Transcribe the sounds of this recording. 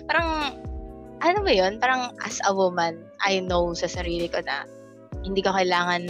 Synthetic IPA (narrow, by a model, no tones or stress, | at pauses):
paːɾɐŋ | ʔɐnomɐjo̞npaːɾɐŋʔɐ̰sʔɐwomɐn | ʔɐ̰jnowsɐsɐɾiːlɪkonɐ̰ | hɪnd̪iːkokɐʔɪlaːŋɐnː